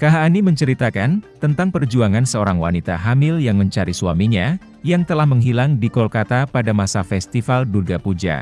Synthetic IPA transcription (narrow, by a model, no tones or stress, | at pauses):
kaɦaːniməɲt͡ʃəɾit̪akant̪ənt̪aŋpərd͡ʒuaŋansəoɾaŋwa̰nit̪a̰ɦamɪljaŋməɲt͡ʃaɾisua̰miɲa | jaŋt̪əlahməŋɦilaŋdikɔlkat̪apadamasafɛst̪ifaldurɡapud͡ʒa̰